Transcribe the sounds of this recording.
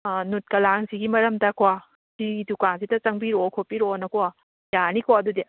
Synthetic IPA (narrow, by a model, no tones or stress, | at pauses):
nut̚kɐlaŋziɡimɐɾɐmdɐkwa | siɡidukaŋzidɐt͡ʃɐŋbiɾokʰopiɾonɐkɔa | janikʰoɐdude